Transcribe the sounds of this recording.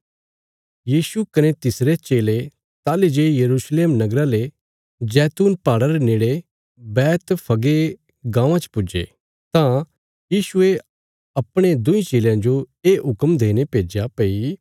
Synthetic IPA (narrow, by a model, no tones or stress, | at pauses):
jiːsukɐnet̪ɪsɾet͡ʃeːle | t̪aːled͡ʒejɐɾuːsleːmnɐɡɾale | d͡ʒɛːt̪uːnpaːɽaɾeneːɽe | bɛːt̪pʰɐɡe | ɡãːʋãt͡ʃpʊd͡ʒḛ | t̪ã | jiːsʊe | ɐpɽ̃ed̪ʊ̃ĩt͡ʃeːljãd͡ʒoeːʔɦʊkəmd̪eːñepeːd͡ʒapei